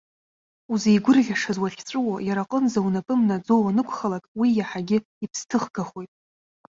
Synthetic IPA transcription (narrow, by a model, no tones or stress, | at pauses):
uzejɡʷʊrɮʲaʂazwaɬʲt͡sʷʼɨwajaɾaqʼənzawnapʼɨmnad͡zo̞wanɨkʷʰχalakʼwijaħaɡʲɪ | ipʰstʰɨχɡaχojtʼ